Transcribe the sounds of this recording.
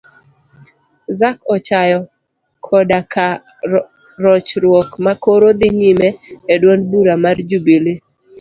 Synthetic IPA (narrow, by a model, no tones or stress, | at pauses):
zakɔt͡ʃajɔ | kʰɔdakʰa | ɾɔt͡ʃɾwɔkmakoɾod̪ɪɲimɛedwonbuɾamard͡ʒubili